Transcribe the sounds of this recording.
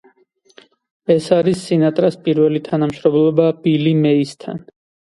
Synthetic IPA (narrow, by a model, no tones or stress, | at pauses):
ɛsaɾisːinat̪ʼɾaspʼiɾvɛlit̪ʰanamʃɾɔmlɔbabilimɛist̪ʰa̰n